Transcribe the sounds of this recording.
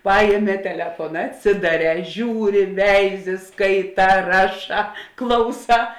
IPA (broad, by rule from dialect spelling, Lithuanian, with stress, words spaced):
ˈpɑːjeːˌmʲɛː tʲɛˈlʲæːfoːnɐ ɐtʲˈsʲɪdɐˌrʲɛː ˈʒʲuːˌrʲɪ ˈʋʲɛɪˌzʲɪ ˈskɐɪˌtɑː ˈrɑːˌʃɑː ˈklˠɐʊˌsɑː